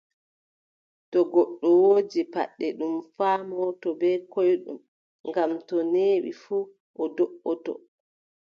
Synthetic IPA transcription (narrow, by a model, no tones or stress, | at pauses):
tɔɡɔɗːɔwoːd͡ʒipa̰ɗːɛɗumfaːmɔːtɔbɛkojɗṵm | ŋɡamtɔneːɓḭfuː | ʔɔdɔʔːɔtɔ̰